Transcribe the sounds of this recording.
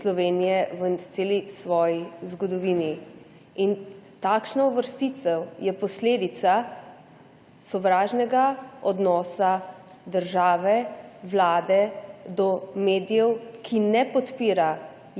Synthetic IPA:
slɔʋeːnijɛʋət̪seːlisʋɔːjizɡɔd̪ɔʋiːni | int̪aːkʃnauʋəɾst̪it̪sɛwjɛpɔsleːd̪it̪sa | sɔʋɾaːʒnɛɡaɔd̪nɔːsa | d̪əɾʒaːʋɛʋlaːd̪ɛd̪ɔmeːd̪ijɛwkʰinɛpɔt̪piːɾa

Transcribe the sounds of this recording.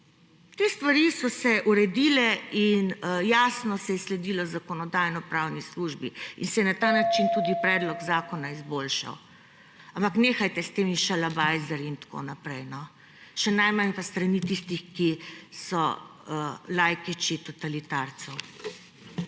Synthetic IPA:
t̪est̪ʋaɾisɔsɛʔuɾɛd̪iːlɛinjaːsnɔsɛjɛslɛd̪ilɔzakɔnɔd̪aːjnɔpɾawnisluʒbiḭnsɛjɛnat̪aːnat͡ʃint̪uːd̪ipɾɛd̪lɔɡzaːkɔnaizboːlʃa̰w | ampakneːxajt̪ɛst̪eːmiʃɛlabajzɛɾint̪ḁko̰napɾɛjnɔ | ʃɛnajmanpast̪ɾanit̪ist̪ixkisɔ | lajkit͡ʃit̪ɔt̪alit̪aɾt̪sɛw

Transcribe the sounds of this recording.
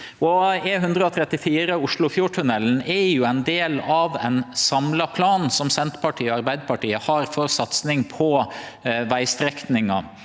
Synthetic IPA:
ɔɛɦʉnd̪ɾəɔt̪ʰɾɛt̪ːɪfiːɾəʊʂɭʊfjʊʈʰʉnɛlːn̩ɛjʊɛɪnd̪eːlɑʋɛ̰nsɑmlɑpʰlɑːn̩sɔmsɛnt̪pʰɑʈʰiːɑɾbæɪd̪əpɑʈiːəhɑɾfɔɾsɑt̪snɪŋpʰɔ | ʋæɪst̪ɾɛknɪŋɑ

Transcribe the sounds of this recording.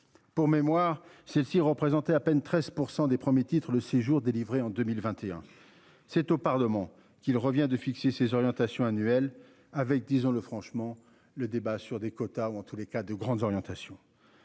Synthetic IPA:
puʁmemwaʁsɛlsiʁəpχezɑ̃t̪ɛapɛnt̪χɛzpuʁsɑ̃d̪epχəmjet̪it̪χələseʒuʁd̪elivʁeɑ̃d̪ømilvɛ̃t̪eɛ̰̃ | sɛt̪opaʁləmɑ̃ | kʲilʁəvjɛ̃d̪əfiksesezɔʁjɑ̃t̪asjɔ̃anyɛl | avɛk̚d̪izɔ̃ləfχɑ̃ʃmɑ̃ | ləd̪ebasyʁd̪ekɔt̪auɑ̃t̪ulekad̪əɡʁɑ̃d̪zɔʁjɑ̃t̪asjɔ̃

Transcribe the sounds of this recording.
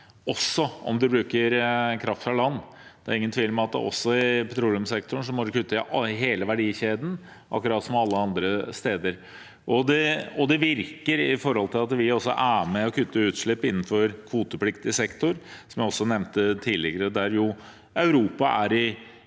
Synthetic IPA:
ɔsːɔɔ̰md̪ɛbɾʉːkəɾkʰɾɑft̪ʰɾɑlɑnːd̪ɛæ̰ɾɪŋːənt̪ʰʋiːlmɛɑt̪̚d̪ɛ̰ʔɔ̰sːɔɪpʰɛt̪ʰɾuːlɪʊmsɛk̚t̪ʊɳ̩ʂɔmɔd̪ʊkʰʉt̪ːəɦeːləʋæɖiːçeːd̪n̩ | ʔɑ̰kːəɾɑːt̪sɔmɑlːəɑnd̪ɾəst̪eːd̪əɾ | ʔɔd̪ɛɔd̪ɛʋɪɾkəɾɪfɔɾhɔlt̪ʰɪlɑt̪ʋɪɾɔsːɔ̰ʔæːmɛɔkʰʉt̪ʰːəʉːt̪ʂɭɪpːɪnːnfɔɾkʰʋuːt̪əpʰlɪkt̪ɪəsɛkt̪ʊɾsɔmjæɪɔsːɔnɛʋnt̪ət̪ʰiːlɪ̰ɡəɾəd̪æɾjʊ | ɑʉɾuːpɑʔæɾɪ

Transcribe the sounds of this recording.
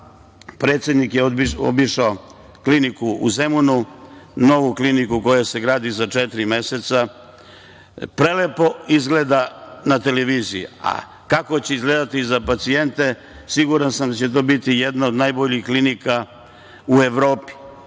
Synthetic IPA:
pɾe̞ːt̪sjed̪nikjeoio̰biʃao | klinikuuzemununo̞ʋuklinikuko̞jase̞ɡɾaːd̪izat͡ʃɛt̪ɾime̞set̪sa | pɾelepo̞izɡle̞d̪anat̪e̞leʋiːzijḭa̰ | kako̞t͡ɕeizɡleːd̪at̪izapat̪sie̞nt̪e̞ | siɡuɾansamd̪at͡ɕe̞t̪o̞ːbit̪ijed̪naod̪najboʎixklinika | ue̞ʋɾo̞ːpi̥

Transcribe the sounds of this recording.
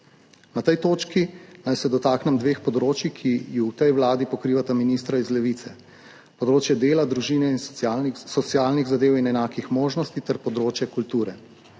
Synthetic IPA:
nat̪ɛjt̪oːt͡ʃkinajsɛd̪ɔt̪aːknɛmd̪ʋeːxpɔd̪ɾoːt͡ʃikʰijuwt̪ɛjwlaːd̪ipɔkɾiːʋat̪aminist̪ɾaizlɛʋit̪sɛ | pɔd̪ɾoːt͡ʃjɛd̪eːlad̪ɾuʒiːnɛinsɔt̪siaːlniɣzad̪eːwinɛnaːkixmoːʒnɔst̪it̪ɛɾpɔd̪ɾoːt͡ʃjɛkult̪uːɾɛ

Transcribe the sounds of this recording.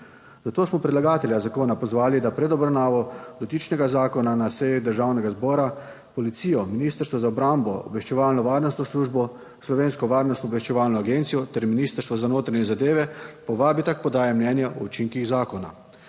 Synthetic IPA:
zat̪oːsmɔpɾɛd̪laɡaːt̪ɛljazakoːnapɔzʋaːlid̪apɾɛd̪ɔbɾawnaːʋɔd̪ɔt̪it͡ʃnɛɡazaːkɔnanasɛjid̪əɾʒawnɛɡazbɔːɾa | pɔlit̪siːjɔminiːst̪əɾst̪ʋɔzaɔbɾambɔɔ̰bʋɛʃt͡ʃɛʋaːlnɔʋaːɾnɔst̪nɔsluːʒbɔ | slɔʋeːnskɔʋaːɾnɔst̪nɔbʋɛʃt͡ʃɛʋaːlnɔaɡent̪sijɔt̪ɛɾminiːst̪əɾst̪ʋɔzanoːt̪ɾaɲɛzad̪eːʋɛpɔʋaːbit̪ak̚pɔd̪aːjɛmnɛnjaʔɔut͡ʃiŋkiɣzaːkɔna̰

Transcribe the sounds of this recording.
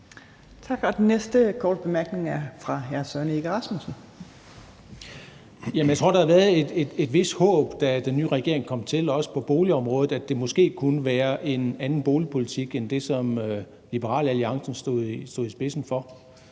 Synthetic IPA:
t͡sʰɑ̈ɡ̥ɒd̥enːesd̥əkʰɒ̰ːd̥̚b̥e̝mæɐɡ̥ne̝ŋæɐfʁɑ̈ɦæɐsœɐnəeɡ̥əʁɑ̈smusn̩ | jæmənjaɪt͡sʰo̝ɐ̰dɑ̈hɑʋæɐð̩ˠe̝d̥ed̥e̝d̥ʋe̝sd̥hɔ̰ːb̥d̥æd̥enːyːʁɛɡ̥e̝ɐe̝ŋkʰɒ̽m̰t͡sʰe̝lɒ̽sə̥pʰɒ̽b̥o̝ːliɒ̽mʁɔ̽ːð̩ˠæd̥e̝mɒ̽sɡ̥e̝̰ːkʰunəʋæːɐʔe̝nænn̩b̥o̝ːlipʰo̝lit͡sʰiɡ̥end̥e̝sɒ̽mø | lib̥əʁɑ̰̈ːlæliɑ̈ŋsn̩sd̥o̝̰ð̩ˠisd̥o̝̰ðˠisb̥e̝sn̩fɒ̽

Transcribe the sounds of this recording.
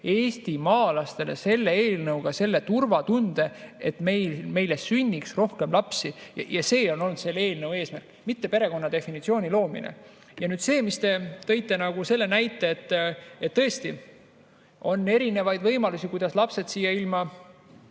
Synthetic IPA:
e̞ːst̪imɑːlɑst̪e̞le̞̰se̞lːe̞eːlnɤwɡ̥ɑse̞lːe̞t̪urvɑt̪und̪̥e̞et̪me̞jme̞jle̞synʲːiksro̞hke̞mlɑpsijɑ̰jɑse̞ːo̞no̞lnud̪se̞lːe̞ːlnɤwe̞ːsmærkˑːmit̪ːe̞peɾe̞ko̞nːɑd̪e̞finit̪sio̞ːnʲilo̞ːmḭnḛ | jɑnyːd̪̥se̞ːmist̪e̞t̪ɤ̞jt̪ːˑe̞nɑɡ̥use̞lːe̞næjt̪ːˑe̞ːt̪ːet̪ːɤ̞est̪i | o̞nːe̞ɾine̞vɑjd̪vɤ̞jmɑlusikujd̪̥ɑslɑpse̞d̪siːjːɑilmɑ

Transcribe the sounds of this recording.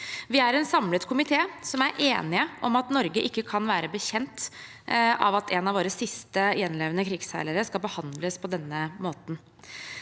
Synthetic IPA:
ʋɪæɾɛnsɑmlət̪kʰʊmɪt̪ʰeːsɔmæɾʔeːnɪəʔɔmɑt̪nɔɾɡəʔɪkːəkʰɑnʋæːɾəbəçɛnt̪ | ɑ̰ʋɑt̪ʰɛnɑʋoːɾəsɪst̪əjɛnleːʋənəkʰɾɪɡsæ̰ɪləɾəskɑlbəhɑnd̪ləspʰɔd̪ɛnːəmoːt̪n̩

